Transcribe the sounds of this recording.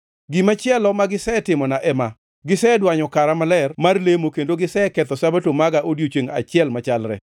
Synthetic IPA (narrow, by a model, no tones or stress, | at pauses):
ɡimat͡ʃɪɛlɔmaɡɪsɛtɪmɔnaʔɛma | ɡɪsɛːdwaɲɔkaɾamalɛrmarlemokendoɡɪsɛkɛt̪ɔsabatomaɡaʔodjot͡ʃeŋa̰t͡ʃɪɛlmat͡ʃalɾɛ̰